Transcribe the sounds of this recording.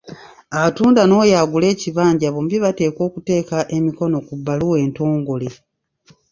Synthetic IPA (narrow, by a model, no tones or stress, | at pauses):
atuːndano̞ːjaːɡule̞ːciβaːɲɟaβombiβate̞ːko̞ːkute̞ːkaʔe̞miko̞no̞kubːaluwe̞ːnto̞ːŋɡole